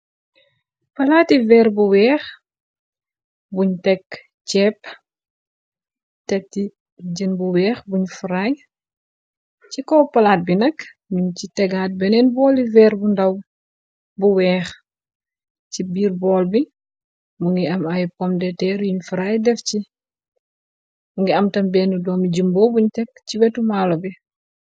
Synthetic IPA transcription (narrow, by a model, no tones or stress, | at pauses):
pɐlaːtivɛːrbuwɛːx | buɲtɛkː | cɛp | tɛti | ɟənbuwɛːxbuɲfuɾaj | cikɔːpɐlaːt̚binɐk | ɲumcitɛɡaːt̚bɛnɛnbɔːlivɛːrbundɐw | buwɛːx | cibiːrbɔːlbi | muŋɡiɐmɐjkɔmdɛtɛːɾjuɲfuɾaːjdɛfci | muŋɡiɐmtɐmbɛːnudɔːmiɟəmboːbuɲtɛk̚ciwɛtumaːlɔbi